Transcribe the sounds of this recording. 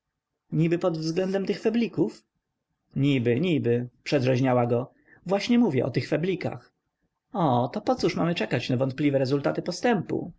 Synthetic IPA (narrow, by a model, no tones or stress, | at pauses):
ɲibɘpɔd̪vzɡlɛnd̪ɛmt̪ɘxfɛblʲikuf | ɲibɘɲibɘpʂɛd̪ʐɛʑɲawaɡɔ | vwaɕɲɛmuvʲjɛ̰ʔɔ̰t̪ɘxfɛblʲika̰x | ɔt̪ɔpɔt̪suʂmamɘt͡ʂɛkat͡ɕnavɔnt̪̚plʲivɛɾɛzult̪at̪ɘpɔst̪ɛmpṵ